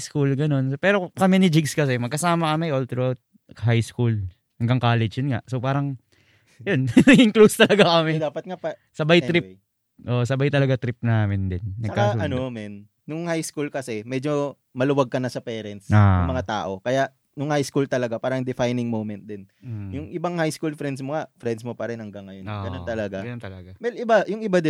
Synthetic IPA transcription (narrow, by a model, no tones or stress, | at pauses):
skulɡɐno̞nsopɛːɾokɐmɪnɪd͡ʒɪɡskɐsɛmɐɡkɐsaːmɐkɐmɪjʔolt̪ɾot̪̚ | ɦajskul | hɐŋɡɐŋkaːlɛd͡ʒjʊnŋa̰ʔsopaːɾɐŋ | jonnɐɡɪŋklust̪ɐlɐɡakɐmɪd̪aːpɐt̪̚ŋasɐbajt̪ɾɪp | ʔoʔsɐbajt̪ɐlɐɡat̪ɾɪp̚naːmɪnd̪ɪnːɐɡɐkːasuɐnomɛnː | ʊŋhajskulkɐsɛmɛd͡ʒo̞ | mɐlʊwaɡ̚kɐnɐsɐpɛːɾɛnt̪saɐmɐŋat̪a̰ːʔo̞kɐjaʔ | nʊŋhajskult̪ɐlɐɡapaːɾɐŋd̪ɪfajnɪŋmowmɛnt̪̚d̪ɪnjʊŋʔɪbaŋhajskulfɾɛnd̪smoŋafɾɛnd̪smopɐɾɪnhɐŋɡɐŋːɐjonɡɐnont̪ɐlɐɡaɡɐnt̪ɐlɐɡawɛlʔɪbajʊŋɪbad̪ɪ